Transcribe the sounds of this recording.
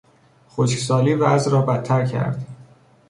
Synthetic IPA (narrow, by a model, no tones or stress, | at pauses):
χoʃksɒːliːvæzɾɒːbæt̪ʰːæɾcʰæ̰ɾd̪